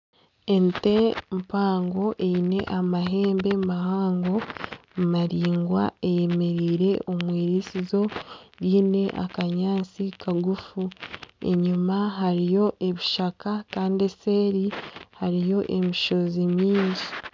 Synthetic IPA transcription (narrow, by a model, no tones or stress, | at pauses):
e̞nte̞mpaːŋɡo̞ʔeine̞̰ʔamaɦe̞ːmbe̞mahaːŋɡo̞maɾiːŋɡwa̰eje̞me̞ɾiːɾe̞ʔo̞mweːɾisizo̞ɾiːne̞ʔa̰kaɲaːnt͡sikʰaɡufue̞̰ɲumaɦaɾijo̞ʔe̞βiʃakakaːndese̞ːɾihaɾijo̞ʔe̞miʃo̞zimiːɲzi̥